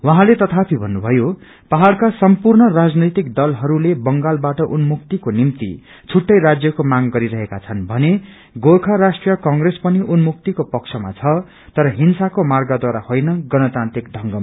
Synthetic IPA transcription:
wʌɦãlet̪ʌt̪ʰapʰibʱʌnːubʱʌjo | paɦaɽkasʌmpurnʌrad͡znʌjt̪ikd̪ʌlɦʌɾulebʌŋɡalbaʈʌʔunmuk̚t̪ikonimt̪ḭ | t͡sʰuʈːʌjɾad͡zjʌkomaŋɡʌɾiɾʌɦekat͡sʰʌnbʱʌne | ɡokʰaɾasʈrijʌkʌŋɡrespʌniʔunmukt̪ikopʌk̚t͡sʰʌma̰t͡sʰʌ | t̪ʌɾʌɦinsakomarɡʌd̪waɾahojnʌɡʌnʌt̪ant̪rik̚d̪ʱʌŋɡʌma

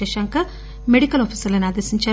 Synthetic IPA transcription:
ɛʃɐŋkɐ | meɽikɐloːpʰiːsɐɾlɐnaːd̪esiɲt͡ʃaː

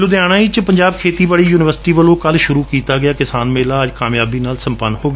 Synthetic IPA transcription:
lʊd̪ɪjaːɽ̃ãːiːt͡ʃpəɲd͡ʒaːb̚kʰeːt̪iːbaːɭiːjuːnɪʋəɾsɪ̥ʈiːʋəlõːkəlʃʊɾuːkiːt̪aːɡɪjaːkɪsaːnmeːlaːəd͡ʒkaːmjaːbiːnaːlsə̃mpənːhoːɡ

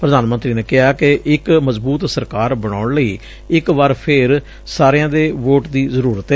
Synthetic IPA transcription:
pɾəd̪aːnmənt̪ɾiːneːkɪɦaːkeʔɪkməzbuːt̪səɾkaːɾbəɽ̃aːʊɳləiː | ɪkʋaːɾpʰɪɾ | saːɾejãːd̪eːʋoːʈd̪iːzəɾuːɾət̪ɛ

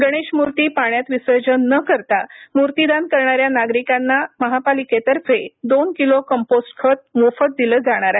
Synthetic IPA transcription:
ɡəɽ̃eɕmuɾt̪iːpaɳjat̪ʋisəɾd͡ʑənːəkəɾt̪amuɾt̪id̪ankəɾɳ̃aɾjanaɡɾikanːaməɦapaliket̪əɾfed̪onkilokəmposʈkʰət̪̚mofət̪̚d̪iləːd͡zaɽ̃aɾae

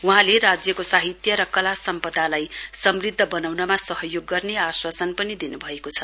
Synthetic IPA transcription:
uɦãleɾad͡zjʌkosaɦit̪jʌɾʌkʌlasʌmpʌd̪ʱalajsʌmrid̪ʱːʌbʌnawnʌmasʌɦʌjoɡːʌrneaswasʌnpʌnid̪inubʱʌekot͡sʰʌ

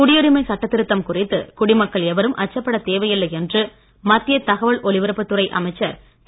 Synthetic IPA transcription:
kʊɽɪjɔɾɪmɐɪsɐʈːɐt̪ːɪɾɯt̪ːɐmkʊrɪt̪ːɯ̰kʊɽɪmɐkːɐɭɛʋɐɾɯmʔɐ̰t͡ʃːɐpːɐɽɐt̪eːʋɐjɪlːɐjɛndrɯ | mɐt̪ːɪjɐt̪ɐɣɐʋɐɭɔɭɪʋɐɾɯpːɯt̪ːɯrɐɪʔɐ̰mɐɪt͡ʃːɐɾ | t̪

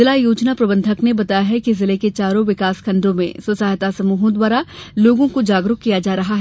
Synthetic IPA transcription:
ɪlajuːd͡ʒnapɾɐbə̃nd̪ʱəknebɐt̪aːjaɦɛkizɪleket͡ʃaːɾõʋɪkaːskʰɐ̃nd̪ʱõmḛ̃sʊsaːɦt̪asɐmuːɦõd̪waːɾaloːɡõkod͡ʒaːɡɾʊkkːijad͡ʒaːɾɐɦaɦɛ

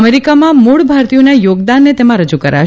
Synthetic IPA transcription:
meɾikamãmuɭbʱaɾt̪ijonajoɡd̪anːet̪emãɾəd͡ʒukəɾa̰

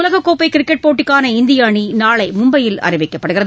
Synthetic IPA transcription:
lɐɣɐkːoːpːɐɪkɪɾɪkːɛʈ̚poːʈːɪkːaːnɐɪnd̪ɪjaːɳinaːɭɐɪmʊmbɐjɪlɐ̰rɪʋɪkːɐpːɐɽɯɣɪrɐ

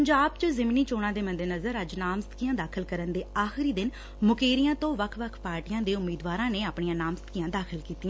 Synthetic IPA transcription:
əɲd͡ʒaːb̚t͡ʃəzɪmniːt͡ʃoːɽ̃ãːd̪eːmənd̪enəzəɾəd͡ʒnaːmsət̪kijãːd̪aːkʰəlkəɾənd̪eːaːxɪɾiːd̪ɪn | mʊkeːɾijãːt̪õːʋəkʰʋəkʰpaːɾʈijãːd̪eːʊmːiːd̪ʋaːɾãːneːaːpɳijãːnaːmst̪kijãːd̪aːkʰəlkiːt̪iːãː

